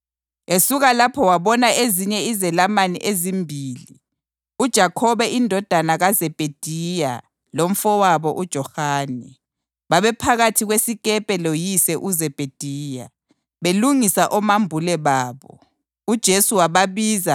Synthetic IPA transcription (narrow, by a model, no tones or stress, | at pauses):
esuɣalapʰɔwaβɔnaeziɲɛizɛlamanḭʔezimbʱiːli | ud̥ʒ̥ʱakʰɔβɛʔindʱɔd̥ʱanaɣazɛb̥ʱed̥ʱija | lom̩fɔwaβɔʔud̥ʒ̥ʱɔhaːnɛ | βaβɛpʰaɣatʰiɣwesikʼɛpʼɛlojisɛʔuzɛb̥ʱed̥ʱiːja̰ | βeluŋisaʔɔmambʱulɛβaːβɔ̰ | ud̥ʒ̥ʱesuwaβaβiːza